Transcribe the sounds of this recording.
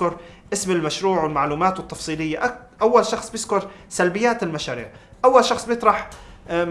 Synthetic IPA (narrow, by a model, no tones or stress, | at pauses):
kʊɾ | ʔɪsmɪlmaʃɾuːʕwɪlmaʕluːmaːt̪wɪt̪ːɑfsˤiːlɪjːaʔa | ʔawːalʃɑxsˤbjɪzkʊɾˤsalbɪjːaːt̪ɪlmaʃaːɾḭːʕʔawːalʃɑxsˤbjɪt̪ˤɾˤɑħ